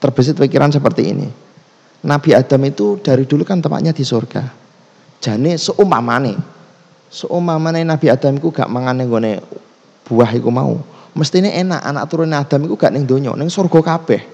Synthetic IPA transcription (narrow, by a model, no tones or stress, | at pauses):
t̪ərb̥əs̬ɪt̪̚pikiɾʔansəpərt̪ḭḭnḭ | nab̥i̤ad̪̥a̤mit̪ud̥aɾid̪̥ulukant̪əpa̰ʔɲad̪̥i̤sorɡ̥a | d̥ʒ̥a̤nesoʔuma̰mane | soʔumpamanenab̥i̤ad̪̥a̤mikuɡ̥a̰ʔmaŋanːeŋɡonḛ | b̥uahikuma̰ṵməst̪ineʔena̰ʔa̰na̰ʔt̪uɾʊnead̪̥a̤mikuɡ̥aʔnɪŋd̪oɲɔ̰nɪŋsorɡ̥ɔ̤kab̥ɛh